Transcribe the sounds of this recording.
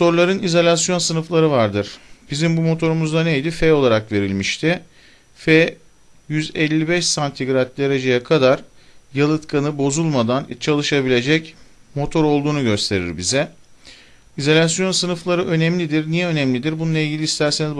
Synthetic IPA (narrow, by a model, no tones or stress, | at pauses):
so̞ɾlˠaɾɯnizalʲas̬jo̞nsɯnɯflˠaɾɯvaɾd̪ɯɾ̥bizimbumo̞t̪ʰo̞ɾumuzd̪anejd̪ifɛo̞lˠaɾakve̞ɾilʲmiʃt̪ʰɪ | fɛ | jyzɛlʲːibɛʃsant̪ʰiɡɾat̪̚d̪e̞ɾe̞d͡ʒe̞jakʰad̪aɾ | jalˠɯt̪kʰanɯbo̞zulˠmad̪ant͡ʃʰalˠɯʃabilʲe̞d͡ʒɛcmo̞t̪ʰo̞ɾo̞lˠd̪uːnuɟø̞st̪ʰe̞ɾḭɾbizɛ | izalʲasjo̞nsɯnɯflˠaɾɯʔø̞nɛmlʲid̪iɾnijɛø̞nɛmlʲid̪iɾbununˠailʲɟʲilʲist̪ʰæɾseniz